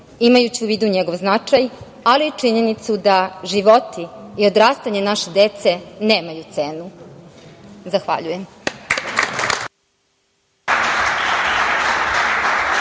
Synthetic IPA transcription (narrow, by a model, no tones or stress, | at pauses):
imajut͡ɕiuʋiːd̪uɲeɡo̞ʋznat͡ʂaj | aliːt͡ʂiɲe̞nit̪sud̪aʒiʋo̞t̪iːo̞d̪ɾaːst̪aɲenaʃed̪e̞t̪se̞neːmajut̪se̞ːnu | zaxʋa̰ʎujem